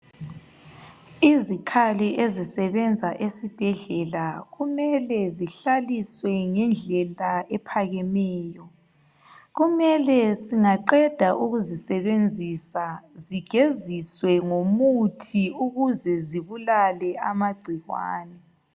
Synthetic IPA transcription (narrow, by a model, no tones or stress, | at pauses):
izikʰalɛʔezisɛβɛnd͡zʱaʔesib̥ʱɛɮɛlaɣumɛlɛziɬaliswɛŋɛnd͡ɮʱɛlaɛpʰaɣɛmɛːjɔ | ɣumɛlɛsiŋaǃɛd̥ʱaʔuɣuzisɛβend͡zʱisaziɡ̥ʱeziswɛŋomutʰiuɣuzɛziβulalɛamaɡ͡ǀʱiɣwa̰ːnɛ